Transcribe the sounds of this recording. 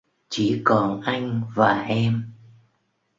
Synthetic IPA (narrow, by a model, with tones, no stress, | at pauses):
t͡ɕi˧˩˦kɔ˨˩nʔa˧jŋ̟vaː˨˩ʔɛ˧m